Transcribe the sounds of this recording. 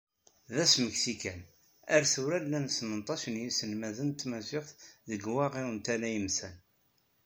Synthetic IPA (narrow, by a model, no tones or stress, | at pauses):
ðæsməksikæn | æɾθuɾælːænsnənt̪ˤɑʃnjisənmæðənt̪ːmæsɪχθðəɡwɑʁiwənt̪ælæjəmsæn